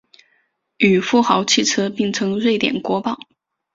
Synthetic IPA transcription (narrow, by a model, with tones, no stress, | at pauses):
y˨˩fu˥˩xɑ˧˥ʊt͡ɕʰi˥˩t͡sʰɤ˥pi˥˩ŋt͡sʰɤ˧˥ŋɻwe˥˩ɪt̪jɛ̰˨˩nkwɔ˧˥pɑ˥˩ʊ